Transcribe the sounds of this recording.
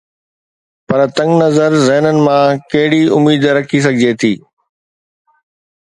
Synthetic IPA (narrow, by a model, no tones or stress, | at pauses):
pɐɾt̪ɐ̃ŋɡnɐzəɾzɛɦnənɪ̆mãkɐɦɪɽiʊmiːd̪ɾɐkʰis̬ɐɡʱɪd͡ʑet̪ʰiː